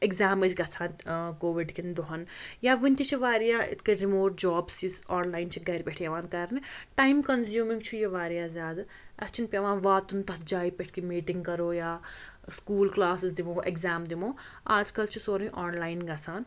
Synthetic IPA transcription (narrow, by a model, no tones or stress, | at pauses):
eɡzaːmisɡɐsʰaːkoːʋiɖkind̪oɦɐnjaːʋinʲt̪ʰit͡ʃʰiʋaːɾijaːɪ̰t̪ʰkɐɾimoːʈd͡ʒaːbsisaːnlaːint͡ʃʰiɡɐɾipʲɛʈʰiɐʋaːnkɐɾniʈaːjmkɐnzjuːmiŋɡt͡ʃʰujɐʋaːɾijaːzʲaːd̪ | ɐst͡ʃʰinpʲɐʋaːnʋaːt̪unt̪ɐt̪̚d͡ʒaːipɛʈʰkimiːʈɪŋɡkɐɾoːjaː | skuːlklaːsɪzd̪imoːʔeɡzaːmd̪imoː | aːd͡ʒkɐlt͡ʃʰisoːɾĩʔaːnlaːinɡɐsʰaːn